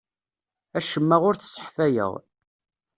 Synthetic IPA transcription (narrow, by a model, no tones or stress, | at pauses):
æʃəmːaʁʊɾθə̥sːə̥ħfæjə̰ʁ